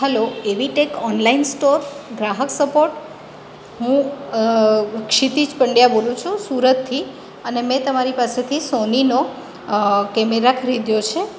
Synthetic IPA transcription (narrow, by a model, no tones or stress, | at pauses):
ɦəloeʋiʈekɔnlainsʈoɾɡɾaɦəksəpoɾʈ | ɦũ | kʃit̪id͡ʒpəɳɖjabolũt͡ʃʰũsuɾət̪ʰːi | ənemɛ̃t̪əmaɾipaset̪ʰisonino | kɛmeɾakʰəɾid̪jot͡ʃʰe